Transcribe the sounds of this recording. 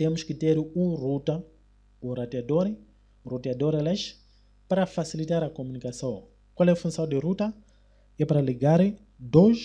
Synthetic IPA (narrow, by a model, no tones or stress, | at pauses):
emuʃkiteɾiuruta | uɾadiadoɾi | ɾutiadoɾelaʃ | paɾafasilitaɾakomunikason | kwalefunsadeɾuta | epaɾaliɡaɾe | doʒ